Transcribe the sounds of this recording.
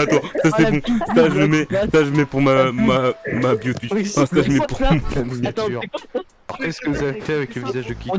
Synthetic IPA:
at̪wasasɛbõstaʒəmɛsaʒəmɛpuʁmamamabjot̪ifãsaʒəmɛpuʁm̃yʁ | ɔkɛskəvuzavefɛavɛkləvizaʒd̪əkʲi

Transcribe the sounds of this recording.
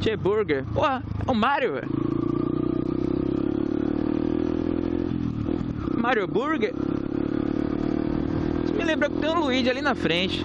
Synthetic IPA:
t͡ʃebuɾɡeɾpohɐ | ɛʊmaɾjʊ | maɾjobuɾɡeɾ | semilẽmbɾɐkɪ̥t̪ẽj̃luid͡ʒɪalinɐfɾẽt͡ʃɪ̥

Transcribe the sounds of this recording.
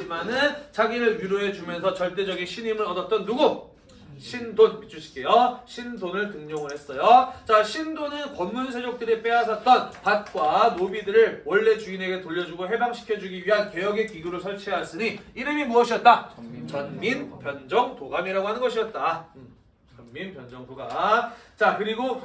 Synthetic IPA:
imanɯnt͡ɕaɡiɾɯɭɥiɾoe̞t͡ɕumjʌnsʰʌt͡ɕʌɭt͈e̞d͡ʑʌɡinɕʰiɲimɯɾʌdʌt̚t͈ʌnːuɡu | ɕʰindonmit͡ɕ͈ʰuɕʰi̥k͈e̞jʌɕʰindonɯɭtɯŋɲʌŋɯɭɦe̞s͈ʌjot͡ɕaɕʰindonɯnkʌnmunsʰe̞d͡ʑok̚t͈ɯɾip͈e̞asʰʌt̚t͈ʌnpat̚k͈wanobidɯɾɯɭwʌɭːe̞t͡ɕuine̞ɡetoʎːʌd͡ʑuɡoɦe̞baŋɕʰi̥kʰjʌd͡ʑuɡiɥiɦankejʌɡekiɡuɾoɭsʰʌɭt͡ɕʰeɦas͈ɯɲiiɾɯmimuʌɕʰiʌt̚t͈at͡ɕʌnminpjʌnd͡ʑʌŋtoɡamiɾaɡoɦanɯnɡʌɕʰiʌt̚t͈a | t͡ɕʌnminpjʌnd͡ʑʌŋdoɡat͡ɕakɯɾiɡo

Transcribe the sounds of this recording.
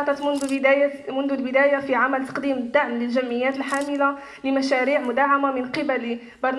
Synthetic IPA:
ɑt̪ˤɑt̪mʊnd̪d̪æjamʊnd̪ulbɪd̪æːjafiʕamælt̪ɑ̥qd̪iːməd̪ːaʕmlɪlʒæmːɪjːæːt̪əlħaːmɪla | lɪmæʃæːɾiːʕmʊd̪aːʕamamɪnqɪbæl | bɑɾˤn

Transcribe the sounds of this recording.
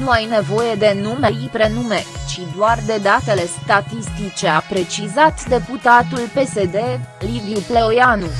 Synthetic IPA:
nuajne̞vo̞je̞d̪e̞numeipɾe̞nume̞t͡ʃid̪oard̪e̞d̪at̪e̞le̞st̪at̪ist̪it͡ʃe̞apɾe̞t͡ʃizat̪d̪e̞put̪at̪ulpe̞se̞d̪e̞livjuple̞ojanu

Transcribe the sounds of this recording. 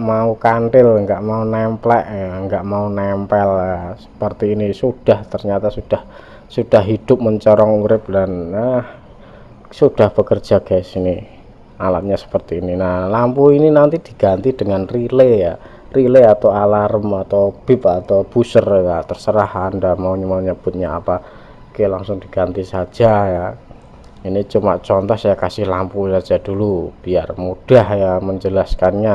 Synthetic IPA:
maukaɳɖɪlŋɡaʔmaunɛmplɛʔaŋɡaʔmaunɛmpɛlasə̥pərt̪iːnisud̥aht̪ərɲat̪asud̥ah | sud̥ahɦid̥ʊp̚məɲt͡ʃɔɾɔŋuɾɪp̚danah | sud̥ahb̥əkər̥d͡ʒ̥aɡ̥asini | alaʔ̚ɲasə̥pərt̪iːninalampuininant̪id̥i̤ɡ̥ant̪id̥əŋanrileja | rileat̪aalaɾəmat̪awb̥ɪp̚at̪awb̥usərjat̪ərsəɾahandamauɲəmauɲəb̥ʊt̪̚ɲaa̰pa | kelaŋsʊŋdiɡ̥ant̪isḁd͡ʒ̥aja | init͡ʃuma̰ʔt͡ʃɔnt̪ɔhsajakasɪhlampusḁd͡ʒ̥adulub̥iarmud̥ahjaməɲd͡ʒəlaskanɲa

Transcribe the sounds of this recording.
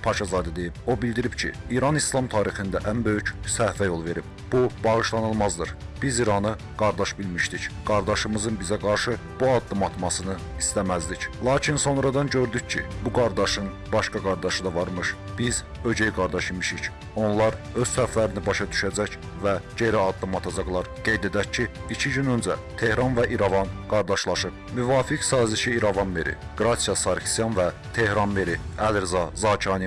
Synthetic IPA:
pʰɑʃɑzɑːd̪æd̪e̞jib̥o̞bild̪iɾibcʰḭiːɾɑnislˠɑmt̪ʰɑːɾixind̪æʔænbø̞jycsæɾfæjo̞lˠve̞ɾib̥̚ | b̥ubɑɣɯʃlˠɑnɯlˠmɑzd̪ɯɾb̥iziɾɑnɯ | ɡ̥ɑɾd̪ɑʃbilmiʃt̪icɡ̥ɑɾd̪ɑʃɯmɯzɯnbizæɡɑɾʃɯ | b̥uɑd̪ːɯmɑt̪mɑsɯnɯ | ist̪æmæzd̪iclˠɑːcʰinso̞nɾɑd̪ɑnɟø̞ɾd̪yccʰḭbuɡɑɾd̪ɑʃɯn | bɑʃkɑɡɑɾd̪ɑʃɯd̪ɑvɑɾmɯʃb̥iz | ø̞ɟejɡɑɾd̪ɑʃimiʃic | o̞nlˠɑɾø̞z̥sæflæɾinibɑʃɑd̪yʃæd͡ʒæc | væɟe̞ɾiɑd̪ːɯmɑt̪ʰɑd͡ʒɑɣlˠɑɾɡ̥e̞jd̪e̞d̪æccʰːiit͡ʃʰiɟynø̞nd͡ʒæt̪ʰe̞hɾɑnvæʔiɾɑvɑnɡ̥ɑɾd̪ɑʃlˠɑʃɯp̚ | myvɑːfiksɑːziʃiːɾɑvɑnmeɾʔḭ | ɡ̥ɾɑsijɑsɑɾksijɑnvæ | t̪ʰe̞hɾɑnmeɾiælɾzɑzɑːcʰɑːni

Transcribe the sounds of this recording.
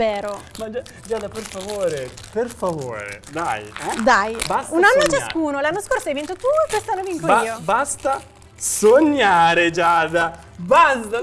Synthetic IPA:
eːɾomad͡ʒa | d͡ʒaːd̪aperfavoːɾeperfavo̰ːɾḛd̪ajɛd̪ajbasunanːot͡ʃaskuːnolanːoskorsoajvent̪ot̪uːekwest̪anːoviŋkoiːobast̪a | soɲːaːɾed͡ʒad̪a | bast̪a

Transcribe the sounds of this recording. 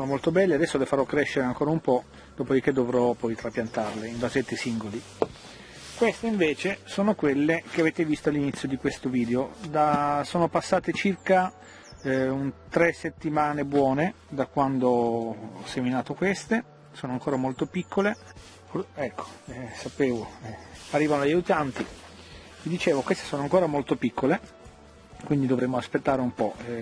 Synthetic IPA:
sonomolt̪obɛlːead̪ɛsːolefaɾɔkːɾɛʃːeɾeaŋkoːɾaumpɔ | d̪̥oːpod̪ik̟ed̪ːovɾɔpɔjt̪ɾapjant̪arleiɱvazet̪ːesiŋɡoli | kwest̪eiɱveːt͡ʃesoːnokwelːek̟eaveːt̪evist̪oalːinit̪sːjod̪ikwest̪oviːd̪eod̪asoːnopasːaːt̪et͡ʃirka | unt̪ɾesːet̪ːimaːnebwɔːne | d̪akwand̪oɔseminaːt̪okwest̪e | soːnoaŋkoːɾamolt̪opikːole | ɛkːo̥ɛsapeːvoɛarːiːvanoljajut̪ant̪i | vid̪it͡ʃeːvokwest̪e̥soːnoaŋkoːɾamolt̪opikːole | kwind̪id̪ovɾemːoaspet̪ːaːɾeumpɔ

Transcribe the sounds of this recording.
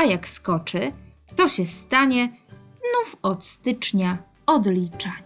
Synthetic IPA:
ajakskɔt͡ʂɘ | t̪ɔɕɛst̪aɲɛznufɔt̪st̪ɘt͡ʂɲa | ɔd̪lʲit͡ʂa

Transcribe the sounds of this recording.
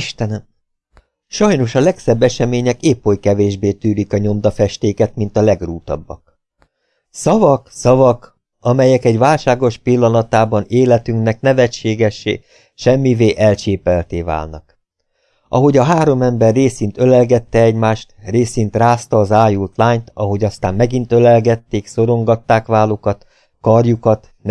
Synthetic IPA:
iʃt̪ɛnɛm | ʃɒjno̞ʃɒlɛksɛbːɛʃɛmeːɲɛkeːpho̞jkɛveːʒbeːt̪yːlikɒɲo̞md̪ɒfɛʃt̪eːkɛt̪mint̪ɒlɛɡruːt̪ɒ̰bːɒ̰k̚ | sɒvɒksɒvɒk | ɒmɛjɛkɛɟʋaːlʃaːɡo̞ʃpilːɒnɒt̪aːbɒneːlɛt̪yŋknɛknɛvɛt͡ʃːeːɡɛʃːḛː | ʃɛmːiveːʔɛlt͡ʃeːpɛlt̪eːva̰ːlnɒ̰k | ʔɒ̰ɦo̞ɟɒɦaːɾo̞mɛmbɛrːeːsint̪ølɛlɡɛt̪ːɛɛɟmaːʃt̪reːsint̪raːst̪ɒːzaːjult̪laːɲt̪ɒɦoɟɒst̪aːmmɛɡint̪ølɛlɡɛt̪ːeːkso̞ɾo̞ŋɡɒt̪ːaːkʋaːlokɒt̪ | kɒrjukɒt̪

